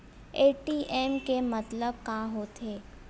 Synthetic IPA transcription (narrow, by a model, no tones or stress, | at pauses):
eːʈiːʔɛːmkemət̪ləb̚kaɦoːt̪eː